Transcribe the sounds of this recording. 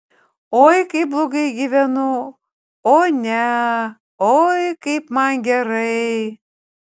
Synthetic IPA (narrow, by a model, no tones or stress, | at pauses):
ojkɐɪp̚blˠoɡɐɪɡʲiʋʲɛnʊ | onʲɛ | ojkɐɪpmɑnɡʲɛɾɐɪ